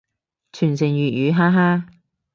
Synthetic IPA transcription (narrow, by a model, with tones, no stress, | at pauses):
t͡ʃʰyː˨˩nsɪ˨˩ŋjyː˨t̚jyː˨˧ɦaː˥ɦaː˥